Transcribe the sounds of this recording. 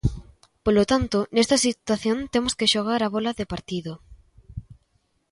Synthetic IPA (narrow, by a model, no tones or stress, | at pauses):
polot̪ant̪ʊnest̪ɐsit̪waθjont̪emoskeʃoɣ̞aɾaβɔlɐðepaɾt̪iðo